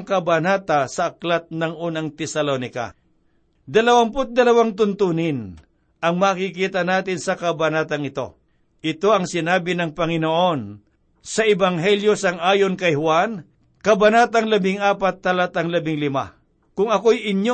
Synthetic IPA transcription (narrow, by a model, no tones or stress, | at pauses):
ŋkɐbanaːt̪asɐʔːklat̪̚nɐŋʔuːnaŋt̪ɛsɐlonɪka̰ | d̪ɐlɐwampʊt̪̚d̪ɐlɐwaŋt̪ʊnt̪uːnɪn | ʔɐŋmaːkɪkiːt̪ɐnaːt̪ɪnsɐkɐbɐnaːt̪ɐŋɪt̪o̞̰ | ʔɪt̪o̞ʔɐŋsɪnaːbɪnɐŋpɐŋɪnoʔo̞n | sɐʔɛbɐŋɦɛljosɐŋʔaːjonkɐjhwan | kɐbɐnaːt̪ɐŋlɐbɪŋʔaːpat̪ːɐlat̪ɐŋlɐbɪŋlɪma̰ | kʊŋɐkojʔɪnjo